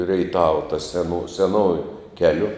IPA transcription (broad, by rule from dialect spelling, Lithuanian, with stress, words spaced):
rʲɛɪˈtɑːʋɐ tɐ sʲɛˈnʊ sʲɛˈnoːjʊ ˈkʲæːlʲʊ